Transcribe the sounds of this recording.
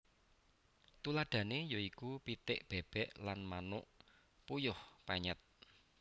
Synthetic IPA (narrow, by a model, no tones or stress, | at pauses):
t̪ulad̪̥ä̤nejoikupit̪ɪʔb̥eb̥ɛʔlanmanʊʔ | pujʊhpaɲət̪̚